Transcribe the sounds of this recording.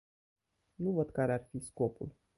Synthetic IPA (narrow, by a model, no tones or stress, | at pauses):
nuvəd̪kaɾearfisko̞pṵl